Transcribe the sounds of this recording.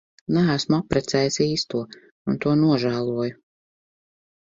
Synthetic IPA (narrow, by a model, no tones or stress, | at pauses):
næːsmuapɾɛt̪sɛːjsiːst̪uɔ | unt̪uɔnuɔʒæːlˠuɔjʊ